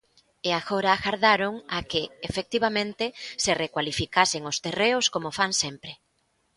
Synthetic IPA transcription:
eaɣoɾaːɣaɾðaɾoŋakɪefek̚t̪iβamẽnt̪ɪserekwalifikaseŋʊst̪ereʊskomofaŋsempɾe

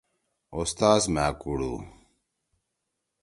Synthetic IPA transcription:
ost̪aːsmaːkuɽṵ

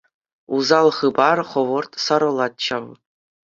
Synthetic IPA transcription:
uzɑlˠχɯbɑrχɤ̆ʋɤ̆rt̪sɑɾɤ̆lˠɑt̪̚t͡ɕɑw

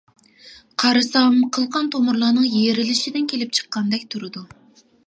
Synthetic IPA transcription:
qʰɑɾɨsɑwmqʰəlˠqɑnt̪ʰomuɾlˠɑːnɨŋjeɾɪlɪʃid̪ɪnkʲʰelɪp̚t͡ʃʰə̥qːɑnd̪ɛkʲt̪ʰuɾɨd̪u

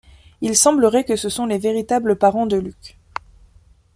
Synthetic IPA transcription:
ilsɑ̃bləʁɛkəsəsɔ̃leveʁit̪abləpaʁɑ̃d̪əlyk

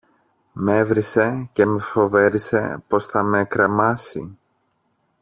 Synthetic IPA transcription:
mevɾise̞ce̞mefo̞ve̞ɾise̞̰po̞sθɐmekɾe̞mɐsḭ

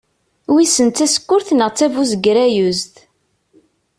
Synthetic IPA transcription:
wisənt̪ːæsə̥kːʊɾθnəʁt͡sːævuzəɡɾæjuzt̪

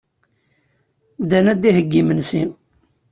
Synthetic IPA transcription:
d̪ænæd̪iɦəɡːimənsi

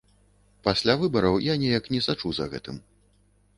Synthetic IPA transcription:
pasʲlʲavɨbɐɾɐwjanʲɛjɐknʲɛsat͡ʂuzɐ̰ɣɛ̰t̪ɨm

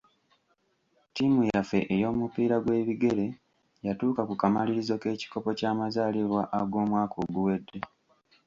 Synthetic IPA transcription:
timujafe̞ʔejo̞ːmupiːɾaɡwe̞ːβiɡe̞ɾe̞ | jatuːkakukamaliɾizo̞ke̞ːci̥ko̞po̞caːmazaːliɾwaʔaɡo̞ːmwaːkʰoɡuwe̞dːe̞

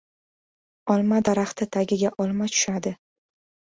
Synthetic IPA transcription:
ɒlˠmad̪aɾaχt̪ɪt̪ʰaɡʲɪɡʲaʔɒlˠmat͡ʃ̪ʰʊ̥ʃad̪ɪ

